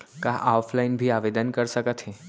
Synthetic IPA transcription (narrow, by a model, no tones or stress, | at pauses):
kaʔaʊfʰlaɪnbʱiaʋed̪ənkəɾsəkət̪ɦe